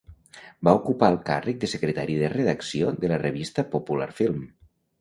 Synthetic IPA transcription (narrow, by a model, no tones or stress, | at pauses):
baukupaəlˠka̰rək̚d̪əsəkɾət̪aɾiðərəðəksioðələrəβ̞ist̪əpopula̰ɾfilˠm